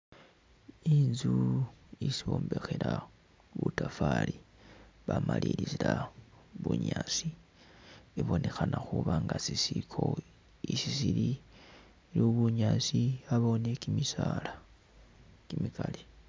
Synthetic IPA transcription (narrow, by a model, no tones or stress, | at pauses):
inzuisioːmbe̞xeɾa | βutafali | βamalilizila | βuɲasi | iβo̞nʔe̞xanaxuβaŋɡasisikʰo̞ | isisili | loβuɲasiaβo̞nekimisala | kimikale